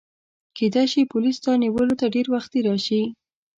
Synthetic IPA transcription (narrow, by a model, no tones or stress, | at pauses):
ked̪ajʃipʊlist̪ɑniwəlot̪aɖeɾwaxt̪̚eɾɑʃi